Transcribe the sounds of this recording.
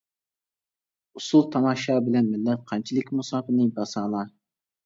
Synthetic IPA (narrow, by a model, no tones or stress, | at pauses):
usulˠt̪ʰɑmɑʃɑbɪlɛnmɪlːɛt̪̚qʰɑnt͡ʃʰilˠɪkʲmusɑːpɨnɨbɑsɑːlˠɑ